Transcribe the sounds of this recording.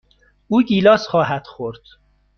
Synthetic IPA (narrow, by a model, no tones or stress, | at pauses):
uːɟiːlɒːsxɒːɦæd̪̥xoɾd̪̥